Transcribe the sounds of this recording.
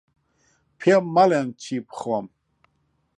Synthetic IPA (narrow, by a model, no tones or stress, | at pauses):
pʰɛmːalɛnt͡ʃʰipʰχwam